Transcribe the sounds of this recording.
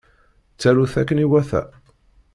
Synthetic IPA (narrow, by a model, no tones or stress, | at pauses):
t͡sːæɾuθækːəniwæθæ̰